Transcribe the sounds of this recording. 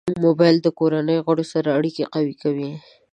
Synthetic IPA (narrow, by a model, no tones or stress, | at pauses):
mobajld̪əkoɾanəjoɣaɽosaɾaːɽikeqawikawi